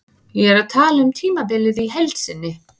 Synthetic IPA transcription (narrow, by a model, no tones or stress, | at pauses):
jɛɛɾaðt̪ʰaːlʏmt̪ʰiːmapɪlɪðiɦɛlt̪sɪnːɪ